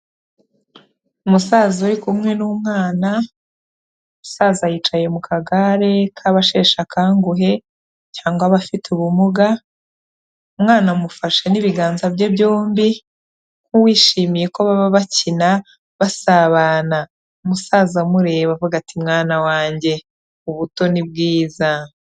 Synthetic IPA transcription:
umusaːzuɾikumŋe̞numŋaːna | musaːzajiːt͡ʃaje̞mukʰaɡaɾe̞kʰaβaʃe̞ːʃakaːŋɡuɦe̞ | caːŋɡwaβafituβumuɡa | umŋaːnamufaʃe̞niβiɡaːnzabɟebɟo̞ːmbi | ŋ̥uwiːʃiːmije̞koβaβaβacina | βasaβaːna | umusaːzamuɾe̞ːβavuɡatʰimŋaːnawaːɲɟe̞ | uβuto̞nib̚ɡiːza

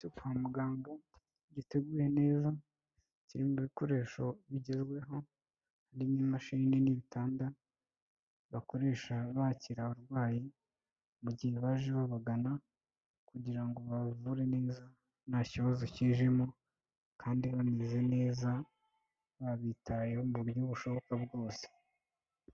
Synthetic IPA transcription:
ukamuɡaːmbo̞ | ɟite̞ɡuːɾe̞ne̞ːza | ciɾimuβiko̞ɾe̞ːʃo̞βiɟe̞zɡwe̞ɦo̞ | haɾimnimaʃininiβitaːnda | βako̞ɾe̞ːʃaβaciɾahoɾɡwaːji | muɟiheβaʒiβaβaɡana | kuɟiɾaŋɡo̞βavuɾe̞ne̞ːza | naciβazo̞ciːʒimo̞ | kʰaːndiβanize̞ne̞ːza | βaβitʰajehomβuɾjuβuʃo̞βo̞kabɡo̞ːse̥

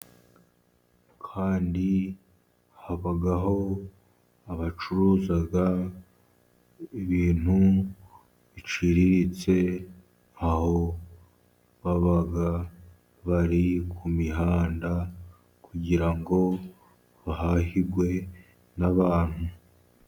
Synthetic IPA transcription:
kʰaːndi | haβaɡaɦo̞ | aβat͡ʃuɾuːzaɡa | iβiːn̥u | βit͡ʃiɾiɾit͡se̞ | aho̞ | βaβaɡa | βaɾikʰumiɦaːnda | kʰuɟiɾaŋɡo̞ | βaɦahiɾɡwe̞ | naβaːn̥hu

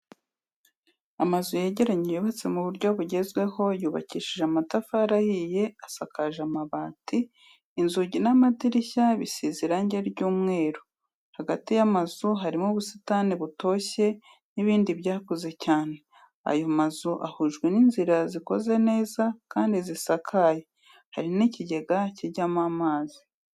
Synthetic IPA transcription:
amazujeɟe̞ɾaɲijuβat͡se̞muβuɾɟo̞βuɟe̞zɡwe̞ho̞juːβaciːʃiʒeamatafaɾahije̞asakaʒamaβaːtiː | nzuɟinamadiɾiçaβisiziɾaɲɟeɾɟuːmŋe̞ːɾo | haɡatijamazuɦaɾimuβusitaniβuto̞ːçe̞ | niβiːndiβjaːkoze̞caːne̞ | a̰jo̞mazuʔa̰huʒɡwe̞ninziɾaziko̞ze̞ne̞ːzakaːndizisakʰaje | haɾiniciɟe̞ɡaciɟamamaːzi

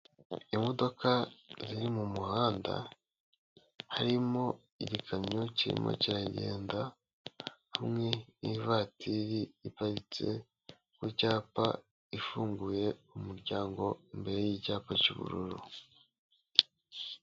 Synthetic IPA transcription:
imo̞do̞kaziɾimumuhaːnda̰ | haɾimo̞ | iɟikʰamɲociɾḭmʔo̰ciɾaɟe̞̰ːnda | hamŋe̞nivaːtiɾiipaɾit͡se̞̰ | kwucaːpa | ifuːŋɡuje̞umuɾɟaːŋɡo̞imbe̞ɾe̞jicaːpacuβṵɾuɾṵ

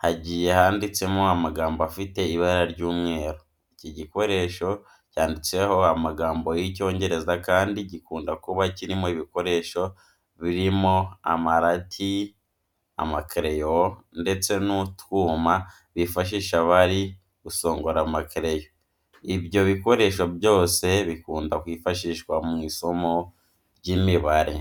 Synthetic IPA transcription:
haɟiːje̞haːndit͡se̞moamaɡaːmboafite̞iβaɾaɾɟuːmŋe̞ːɾo | iciɟiko̞ɾe̞ʃo̞ | caːndit͡se̞ho̞amaɡaːmbo̞jico̞ːɲɟe̞ɾe̞zakaːndiɟikuːndakuβaciɾimo̞iβiko̞ɾe̞ʃo̞ | βiɾimo̞a̰maɾatʰi | a̰makɾejonde̞t͡se̞nutwuːma | βifaʃ̬iːʃaβaɾi | ɡ̥uso̞ːŋɡoɾamakɾe̞jo̞ | ibjo̞βiko̞ɾe̞ʃo̞bjo̞ːse̞βikuːndakwiːfaʃiːʃkwamŋiːso̞mo̞ | ɾɟiːmiβaɾḛ

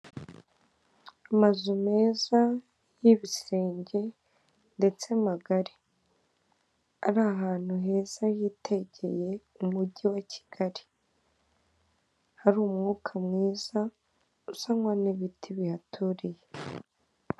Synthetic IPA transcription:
amazume̞ːza | jiβise̞ːɲɟe̞ | nde̞t͡se̞maɡaɾi | aɾaɦaːn̥huɦe̞ːz̥ajiːteɟe̞je̞ | umuɟiwacʰi̥ɡ̥aɾi̥ | haɾuːmŋuːkʰamŋiːza | usaŋwaniβitʰiβihatʰuɾije̞

